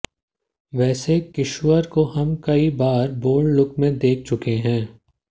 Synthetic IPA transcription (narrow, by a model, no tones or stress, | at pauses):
ʋɛːsekɪʃʋəɾkoɦɐmkɐibaːɾboːɽlʊkmẽd̪eːk̚ʰt͡ʃʊkeɦɛ̃ː